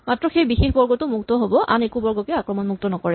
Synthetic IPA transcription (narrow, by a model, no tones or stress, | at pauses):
matɹɔxejbixexbɔɹɡɔtʊmuktɔɦobɔʔa̰nekubɔɹɡɔkɛakɹɔmɔnmuk̚tɔnɔkɔɹɛ